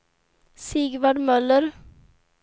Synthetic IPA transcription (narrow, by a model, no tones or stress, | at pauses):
siːɡvaɖmœləɾ